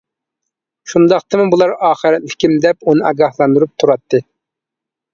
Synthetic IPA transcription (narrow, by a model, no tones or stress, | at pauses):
ʃund̪ɑqt̪ɨmɨbulˠɑɾɑːχəɾɛt̪lɪ̥kʲimd̪ɛpunɨɑɡɑhlˠɑnd̪uɾup̚t̪ʰuɾɑt̪ːɨ